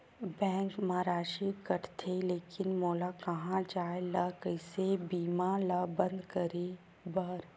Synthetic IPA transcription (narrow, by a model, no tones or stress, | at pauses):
bɛ̃ːŋkmaːɾaːʃikɐɾt̪ʰeleːkɪnmɔːlakɐɦãd͡ʒaːelɐkəɪsebiːmaləbə̃nd̪kɐɾe | bɐɾ